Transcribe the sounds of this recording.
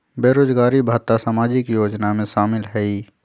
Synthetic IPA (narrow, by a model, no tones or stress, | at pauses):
beːɾoːd͡ʒɡaːɾibʱaːt̪asamaːd͡ʒɪkjoːd͡ʒnamẽʃaːmɪlɦɛi